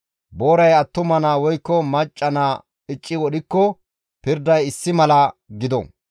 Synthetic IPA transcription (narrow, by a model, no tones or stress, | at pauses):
boːɾɐjɐt̪ːʊmɐnaːwɔjkːɔmɐt͡ʃʼːɐnaː | ɪt͡ʃʼːɪwɔɗɪkːɔ | pɪɾd̪ɐjɪsːɪmɐlɐɡɪd̪ɔ̰